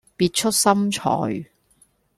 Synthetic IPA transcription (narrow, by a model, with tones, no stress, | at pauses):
piː˧t̚t͡ʃʰɵ˥t̚sɐ˥mt͡ʃʰɔ̰ː˨j